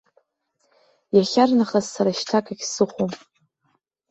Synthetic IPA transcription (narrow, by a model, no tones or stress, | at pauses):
jaχʲarnaχazsaɾaʃtʰakʼaɡʲsɨχʷom